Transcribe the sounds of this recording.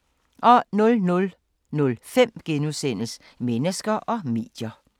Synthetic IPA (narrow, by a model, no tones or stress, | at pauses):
ʔɒ̽nɔlnɔl | nɔ̽lfem̰ɡ̥enusen̰əs | menəsɡ̥ɐʔɒ̽me̝̰ːd̥jɐ